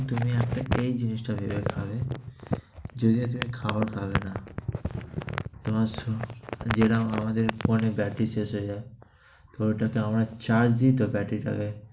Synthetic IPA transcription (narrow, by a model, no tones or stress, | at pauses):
t̪umiɛk̚ʈaejd͡ʑinisʈabʱebekʰa̰be | d͡ʑod̪iot̪umikʰaboɾkʰabena | t̪omaɾsod͡ʑeʈaamad̪eɾponebɛʈisesɦojd͡ʑae | t̪oʈakeamɾat͡ɕaɾd͡ʑd̪it̪obɛʈiʈa̰ke